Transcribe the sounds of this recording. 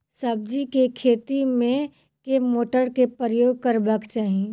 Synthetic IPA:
sɐb̚d͡ʒikekʰeːt̪imẽ | kemoːʈəɾkepəɾəjoːɡ̚kɐɾbəkt͡ʃaːɦie

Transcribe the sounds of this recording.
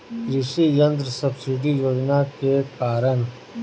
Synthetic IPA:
ɾɪʃijɐ̃nd̪ɾsɐbsɪɖijoːd͡ʒnakekaːɾən

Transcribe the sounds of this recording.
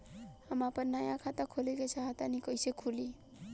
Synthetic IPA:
hʌmapʌnnːajãkʰat̪akʰolekʌjt͡sʰʌɦat̪anikʌjsekʰuli

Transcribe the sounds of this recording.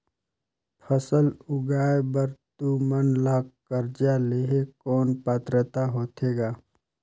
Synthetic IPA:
pʰəsəlʊɡaːebəɾt̪umənlaːɡkəɾd͡ʒaleɦekɔːnpaːt̪ɾət̪aɦoːt̪ʰeːɡaː

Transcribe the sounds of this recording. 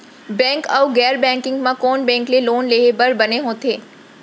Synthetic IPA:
bɛ̃ːŋkaʊɡɛːɾbɛ̃ːŋkɪ̃ŋɡmãkɔːnbɛ̃ːŋkleloːnleːɦebɐɾbɐneɦõːt̪ʰeː

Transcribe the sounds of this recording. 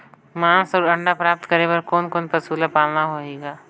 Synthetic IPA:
mãːsɔːɾɐ̃ɳɖapɾaːp̚t̪kɐɾebɐɾkoːnkoːnpɐsuːlapaːlnaɦoːeːɡaː

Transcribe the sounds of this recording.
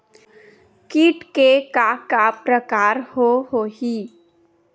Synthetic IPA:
kiːʈkekakapɾəkaːɾhoɦoːɦi

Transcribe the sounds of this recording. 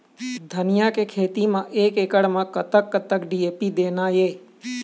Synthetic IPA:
d̪ʱənɪjakekʰeːt̪imãʔeːkeːkəɽmãkət̪əkːət̪əkɖieːpid̪eːnaːjeː

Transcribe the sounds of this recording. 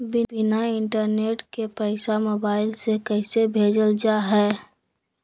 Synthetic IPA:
bɪbɪnaɪɳʈəɾneːʈkepəɪsamoːbaːɪlsekɛɪsebʱeːd͡ʒəld͡ʒaɦɛː

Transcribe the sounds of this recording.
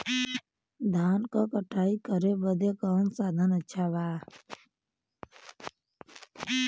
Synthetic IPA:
d̪ʱaːnkakəʈʰaːikəɾebəd̪ekaːnsaːd̪ʱənətːʃʰaʋaː

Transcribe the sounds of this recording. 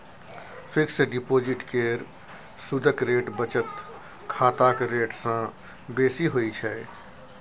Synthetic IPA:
fɪkseɖɪpoːd͡ʒɪʈkeːɾ | sʊd̪ʱəkɾeːʈbət͡ʃət̪ | kʰaːt̪akeɾeːʈsã | beːsiɦoit͡ʃʰɛː

